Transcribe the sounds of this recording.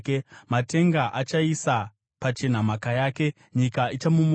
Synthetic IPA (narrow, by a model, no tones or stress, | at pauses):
mate̞ŋɡaʔat͡ʃaisa | pat͡ʃe̞n̤amakajaːke̞ | ɲikait͡ʃamum